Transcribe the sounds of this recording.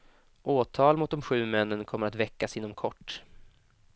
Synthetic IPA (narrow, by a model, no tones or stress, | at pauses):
ʔoːt̪ʰɑːlmʊt̪̚d̪ɔmɧʉ̟ːmɛnːənkʰɔmːəɾat̪vɛkːasɪnːɔmkʰɔʈː